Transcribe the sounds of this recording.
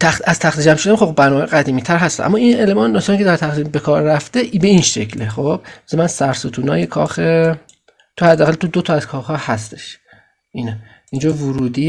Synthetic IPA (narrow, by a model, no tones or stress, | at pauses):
t̪ʰææz̥t̪ʰæxt̪id͡ʒæmʃoænxobbæɾnɔmːhjɣæd̪iːmiːt̪ʰæɾɦæst̪æ̰nʔæ̰mːɒːinelmɒːnd̪ɒsːnikʰʲced̪æɾt̪ʰæxd̪iːmbekʰɒːɾːæft̪eʔibe̞inʃe̞̰cʰleχob̥̚semænsæɾsut̪ʰuːnɒ̰ːjekʰɒːxe | t̪ʰohæd̪ːæːɣælt̪ʰod̪ot̪ʰɒæz̥kʰɒːxhɒːhæst̪e̞̥ʃ | ʔiːne | ind͡ʒɒːvuɾuːd̪iː